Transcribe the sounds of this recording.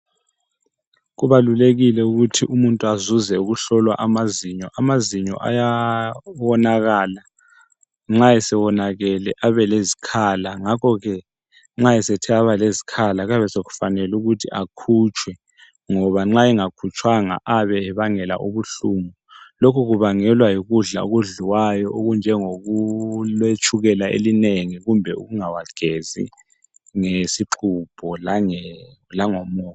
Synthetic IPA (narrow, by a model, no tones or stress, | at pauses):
ɣuβaluleɣilɛuɣutʰiʔumuntʼuazuzɛuɣuɬɔlwa̰ʔamaziɲɔʔamaziɲɔ̰ʔa̰ja | wɔnaɣaːla | ŋ͡ǁaɛsɛwɔnaɣɛlɛʔaβɛlezikʰaːlaŋakʰɔɣɛ | ŋ͡ǁaɛsɛtʰɛaβalezi̥kʰalaɣaβɛseɣu̥fanɛluɣutʰḭʔakʰut͡ʃʼʰwɛ | ŋɔβaŋ͡ǁaiŋakʰut͡ʃʰʼwaŋa̰ʔaβɛɛβaŋɛla̰ʔuβuɬuːmɔ | lokʰuɣuβaŋɛlwajiɣuɮa̰oɣuɮiwajɔʔoɣund͡ʒʱɛŋoɣulet͡ʃʰʼuɣɛlaḛlineŋiɣumbʱɛṵɣuŋawaɡ̥ʱezḭ | ŋesiǃʰub̥ʱɔl | laŋɔmɔː